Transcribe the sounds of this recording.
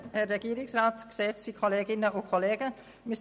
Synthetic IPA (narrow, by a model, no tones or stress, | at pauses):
hɛrɛɡ̥iːɾɪŋsɾɑːtkseːtsiːkʰoleːɡɪnəʔokʰoleːɡ̥ə | mɪs